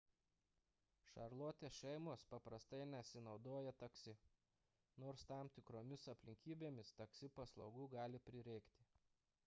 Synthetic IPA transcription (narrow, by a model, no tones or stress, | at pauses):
ʃɐɾlˠoːt̪ʲeːʃʲɛɪmoːspɐpɾɐst̪ɐɪnʲɛsʲɪnɒʊd̪oːjɛt̪ɐksʲɪ | noːɾst̪ɑˑmt̪ʲɪkɾoːmʲɪsɐpʲlʲɪŋʲkʲiːbʲeːmʲɪst̪ɐksʲɪpɐslˠɒʊɡuːɡɑːlʲɪpʲɾʲɪɾʲɛɪkt̪ʲɪ